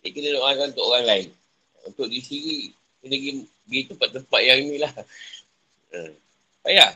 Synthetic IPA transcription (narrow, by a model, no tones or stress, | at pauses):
kənəloʔaɡanunt̪oʔoɾaŋlaɪn | ṵnt̪ʊʔɡisiɾi | kənəɡi | ɡit̪əmpat̪̚ːəmpat̪̚jaŋinĩlah | əm | paja